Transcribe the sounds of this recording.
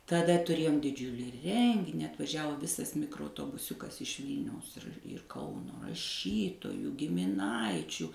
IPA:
tɐˈdɐ tʊˈrʲeːjoːm dʲɪˈd͡ʒʲʊlʲiː ˈrʲɛŋʲɡʲɪnʲɪ ɐtʋɐˈʒʲæːʋoː ˈʋʲɪsɐs mʲɪkroːɐʊtoːbʊˈsʲʊkɐs ɪʃ ˈʋʲiːlʲnʲɛʊs ɪr ˈkɐʊnoː rɐˈʃʲiːtoːjuː ɡʲɪmʲɪˈnɐɪt͡ʃʲuː

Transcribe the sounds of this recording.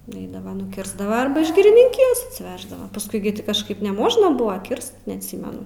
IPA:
nʊˈɛɪdɐʋɐ nʊˈkʲɪrzdɐʋɐ ɐrbɐ ɪʃ ɡʲɪrʲɪnʲɪŋʲˈkʲɪjoːs ɐtʲsʲɪˈʋʲæːʒdɐʋɐ pɐsˈkʊɪ ɡʲɪ tʲɪ kɐʃˈkɐɪp nʲɛˈmoːʒnɐ ˈbʊʋɐ ˈkʲɪrst nʲɛɐtʲˈsʲiːmʲɛnʊ

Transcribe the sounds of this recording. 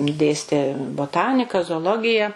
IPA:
ˈdʲeːsʲtʲeː boːˈtɑːnʲɪkɐ zoːoːˈlˠoːɡʲɪjɛ

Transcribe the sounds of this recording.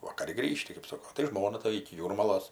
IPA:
ʋɐkɐˈrʲɪ ˈɡrʲiːʃʲtʲɪ kɜp ˈsoːkoː tɐɪ ˈʒmoːnɐ tɐ ɪkʲɪ ˈjuːrmɐlˠoːs

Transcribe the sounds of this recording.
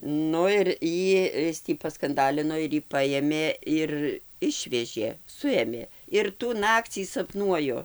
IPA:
ˈnʊ ɪr ˈjiː ˈɪs tʲiː pɐskɐnˈdɑːlʲɪnoː ɪr ˈjiː ˈpɑːjeːmʲeː ˈɪr ˈɪʃʲʋʲɛʒʲeː ˈsʊeːmʲeː ɪr tuː ˈnɑːkt͡sʲiː sɐˈpnuɔjʊ

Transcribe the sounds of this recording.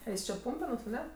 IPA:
ˈɛɪs t͡ʃʲɛ ˈpuːmʲpʲɛnuɔs ɐˈnʲɛ

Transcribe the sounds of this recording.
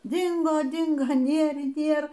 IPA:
ˈdʲɪŋɡoː ˈdʲɪŋɡoː ˈnʲeːr iː ˈnʲeːr

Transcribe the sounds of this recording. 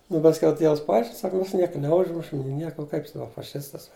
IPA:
nʊ pɐsʲˈkʲɛʊ ˈtʲiɛws pɐˈɐɪʃʲkʲɪn ˈsɑːkɐ ˈmʲɛs ˈnʲiɛkɐ nʲɛˈʊʒmʊʃʲɪm nʲɪ ˈnʲiɛkoː ʊ kɐɪp ˈsɑːkoː fɐˈʃʲɪstɐs

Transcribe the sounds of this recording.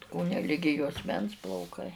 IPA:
ˈkoːnʲɛ ˈlʲɪɡʲɪ juɔsʲˈmʲɛns plˠɐʊˈkɐɪ

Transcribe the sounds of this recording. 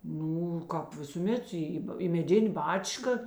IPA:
ˈnuː ˈkɑːp ʋʲɪsuːˈmʲɛt ˈiː iː mʲɛˈdʲɪnʲeː ˈbɑːt͡ʃkɐ

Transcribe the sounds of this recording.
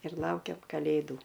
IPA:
ɪr ˈlˠɐʊkʲɛm kɐˈlʲeːduː

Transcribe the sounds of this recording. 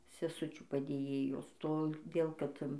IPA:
sʲɛˈsʊt͡ʃʲuː pɐdʲeːˈjeːjoːs toːˈdʲeːlˠ ˈkɐt

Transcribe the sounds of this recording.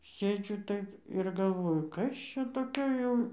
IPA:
ˈsʲeːd͡ʒʲʊ ˈtɐɪp ɪr ɡɐlˠˈʋoːjʊ ˈkɐs ˈt͡ʃʲɛ toːˈkʲoː jɛʊ

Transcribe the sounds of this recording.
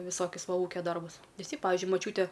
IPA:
ʋʲɪˈsoːkʲʊs ˈʋɐ ˈuːkʲɛ ˈdɐrbʊs ʋʲɪˈsʲɪ ˈpɑːʋʲɪʒʲʊɪ mɐˈt͡ʃʲuːtʲɛ

